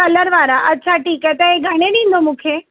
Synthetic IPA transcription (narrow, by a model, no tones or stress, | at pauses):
ɐləɾʋaːɾaʔɐtːɕʰaʈiːkɦɛt̪ɐeɡʱɐɽ̃ẽɗĩːn̆d̪omũːkʰeː